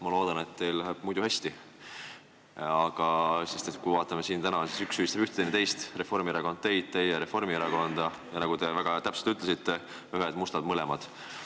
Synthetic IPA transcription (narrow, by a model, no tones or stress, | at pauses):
mɑlo̞ːd̪̥ɑne̞t̪ːe̞jllæɦeb̥̚mujd̪uhæst̪i | ɑɡ̥ɑse̞st̪e̞t̪kujvɑːt̪ːˑɑme̞siːnt̪ænɑsisyksyist̪ebyht̪e̥ent̪e̞jst̪re̞fo̞rmieɾɑko̞nd̪̥t̪e̞jd̪̥̚t̪e̞jeɾe̞fo̞rmieɾɑko̞nd̪̥ɑ | jɑnɑɡ̥ud̪e̞væɡ̥ɑt̪æpselt̪yt̪ːˑlesit̪ːe̞ | yɦed̪̥must̪ɑd̪mɤlɛmɑd̪̥